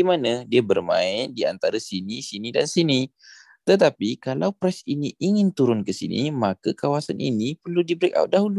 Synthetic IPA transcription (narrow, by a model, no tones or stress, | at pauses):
imanadiabərmã̰ɪndia̰nt̪aɾasinisinidansini | t̪ət̪apikalawpɾɛsiniʔiŋɪnt̪uɾʊnkəsḭnḭmakakawasanʔḭnipərludibəɾɪka̰wt̪̚daɦulu